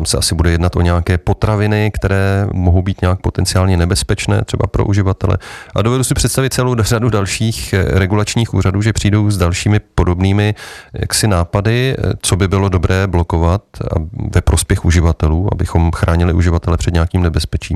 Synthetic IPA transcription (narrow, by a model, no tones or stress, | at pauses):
t̪amsɛasɪbudɛjɛdnat̪ʔo̞ɲɛakɛːpo̞t̪ɾavɪnɪkt̪ɛɾɛːmoɦowbiːt̪ɲɛaːk̚po̞t̪ɛnt͡sɪaːlɲɛnɛbɛspɛt͡ʃnɛ̰ːt̪r̥ɛba̰pɾo̰ʔuʒɪvat̪ɛlɛ̰ʔado̞vɛdusɪpr̝̥ɛt̪st̪avɪt̪̚t͡sɛlowradudalʃiːxɾɛɡulat͡ʃɲiːxṵːɾaduːʒɛpr̝̥iːdo̞wzdalʃiːmɪpo̞do̞bniːmɪja̰ksɪnaːpadɪt͡so̞bɪbɪlodo̞bɾɛːblo̞ko̞vat̪a̰vɛpɾo̞spjɛxuʒɪvat̪ɛluːʔa̰bɪxo̞mxɾaːɲɪlɪʔuʒɪvat̪ɛlɛpr̝̥ɛdɲaakiːmnɛbɛspɛt͡ʃḭːm